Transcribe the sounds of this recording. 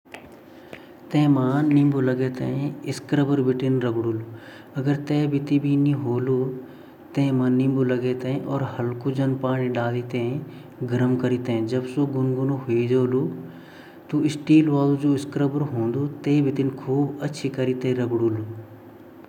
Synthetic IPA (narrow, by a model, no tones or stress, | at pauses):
t̪ɐ̃ɪ̃mãːnĩːmbolɐɡet̪ɐ̰ɦĩɪskɾəbəɾbʱɪʈɪnɾɐɡɽulu | ɐɡəɾt̪eːbʱɪt̪ibʱiniɦoːlu | t̪ɐ̃ɦɪ̃mãːnĩːmbolɐɡet̪ɐ̃ɦĩʔɔːɾhɐlkud͡ʒɐnpaːɽ̃iɖaːlit̪ɐ̃ɦẽ | ɡɪɾəmkɐɾit̪ɐɦĩd͡ʒɐbsoɡʊnɡʊnuɦeid͡ʒoːlu | t̪oɪsʈiːlʋaːlud͡ʒoːɪskɾəbəɾɦõːn̆d̪ot̪eːbɪt̪ɪnkʰuːbɐtːʃʰikɐɾit̪ɐɦĩɾɐɡɽuːlu